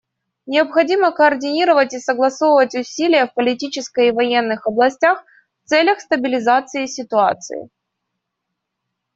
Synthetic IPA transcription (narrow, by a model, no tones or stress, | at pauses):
nʲɪɐpxɐdʲiməkəːrdʲɪnʲiɾəvətʲɪsəɡlˠɐsovəvətʲʊsʲilʲɪjəfpəlʲɪtʲit͡ɕɪskəjivɐjenːɨxɐblˠɐsʲtʲax | ft̪sɛlʲəxst̪əbʲɪlʲɪzat̪sɨɪsʲɪt̪ʊa̰t̪sɨ̰ɪ̰